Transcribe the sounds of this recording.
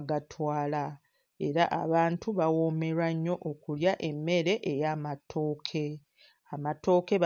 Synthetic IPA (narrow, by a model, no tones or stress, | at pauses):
ɡatʰwaːla | e̞̰ɾaʔa̰βaːntuβawo̞me̞ɾaɲːo̞ʔokuljaʔe̞mːe̞ɾe̞ʔejaːmatʰo̞ːkʰe̞ | amato̞ːkeβ